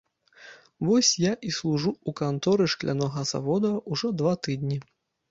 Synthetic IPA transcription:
vɔsʲjaʔislˠuʐuukant̪ɔɾɨʂklʲʔa̰nɔɣɐza̰vɔd̪ɐuʐɔd̪vat̪ɨd̪nʲi

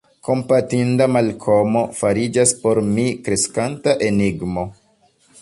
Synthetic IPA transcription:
ko̞mpatindamalkʰo̞mo̞faɾid͡ʒaspo̞ɾmikɾe̞skantaʔe̞niɡmo̞

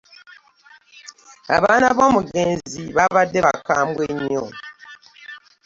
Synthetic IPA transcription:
a̰βaːnaβo̞ːmuɡe̞ːnziβaβadːe̞βakaːmbweɲːo

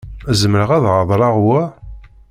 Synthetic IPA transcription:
æzəməɾəʁæðʁəðˤɾˤɑʁwæ

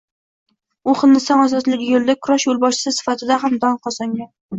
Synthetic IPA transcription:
ʊχɨnd̪ɪsɒŋɒzɒzlɪɡʲɪjolˠd̪akʰʊɾaʃjolˠbɒʃɪ̥sɪsɪ̥fat̪ʰɪd̪ahamd̪ɒnqʰɒsɒŋɡʲan

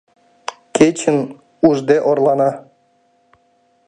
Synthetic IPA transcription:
kʲet͡ɕɘn | uʐd̪eʔorlˠɑnɑ

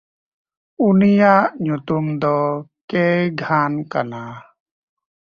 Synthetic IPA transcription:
unijaʔɲut̪umd̪ɔkɛjɡʱanka̰na

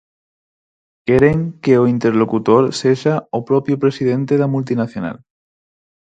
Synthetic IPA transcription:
keɾeŋkeoint̪eɾlokut̪oɾseʃaopɾopjopɾesið̞ẽnt̪eðamult̪̬inaθjona̰l

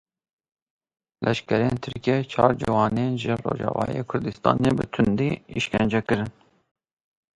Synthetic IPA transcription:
lʔɛʃkɛɾieːnt̪ʰɨɾket͡ʃʰɑːɾd͡ʒiwɑːnenʒɨro̰ːʒɑ̰ːvɑ̰ːijeːkʰʊɾd̪ɨst̪ɑ̰ːneːbɨt̪ʰʊnd̪iiʃkɛnd͡ʒɛkɨɾɨn

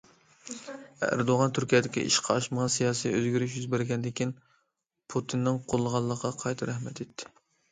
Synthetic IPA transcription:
ææ̰ɾd̪oʁɑnt̪ʰyɾkʲijɛd̪ɪkʲḭʔḭʃqʰɑɑʃməʁɑnsijɑːsijøzɡʲyɾyʃjyzbɪɾɡʲɛnd̪ɪkʲin | pʰut̪ʰɨnːɨŋqʰolˠːəʁɑlˠːəqʰːɑqʰɑjt̪ʰɑɾɛhmɛt̪et̪ʰːɪ̥

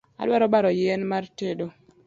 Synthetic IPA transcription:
a̰lwaɾɔbaɾɔjenmartedo

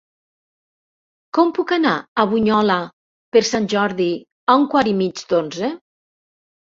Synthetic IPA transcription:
kɔmpukanaaβuɲɔla | peɾsanʲʒɔɾði | auŋkwaɾimid͡ʒd̪onze

